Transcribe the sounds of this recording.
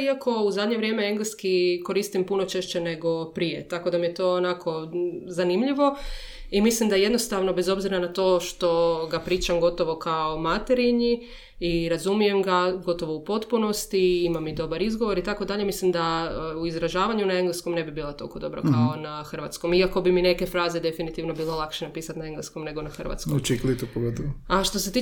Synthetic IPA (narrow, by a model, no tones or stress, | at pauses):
iako̞uzad̪ɲe̞ʋɾje̞meeŋɡleskiko̞ɾiːst̪impuno̞t͡ʃeʃt͡ʃene̞ɡo̞pɾijet̪ako̞d̪amijet̪o̞ːnakʰo̞zanimʎiʋo̞ | imislimd̪aje̞d̪no̞st̪aʋno̞be̞zo̞bziɾanat̪o̞ːʃt̪o̞ɡapɾiːt͡ʃamɡo̞t̪o̞ʋo̞kaomat̪eɾiɲi | iɾazumije̞mɡaɡo̞t̪o̞ʋoupo̞t̪puno̞st̪iimamid̪o̞baɾizɡo̞ʋo̞ɾit̪akod̪aʎe̞mislimd̪auizɾaʒaːʋaɲunaeŋɡleskomne̞bibiːlˠat̪olkod̪o̞̰bɾo̰kaonaxr̩ʋa̰t̪sko̞miako̞bimine̞kefɾaːze̞d̪e̞finit̪iʋno̞biːlelˠakʃenapiːsat̪nae̞ŋɡlesko̞mne̞ɡo̞naxr̩ʋa̰t̪skot͡ʃiklit̪upoɡot̪aʃt̪o̞se̞t̪i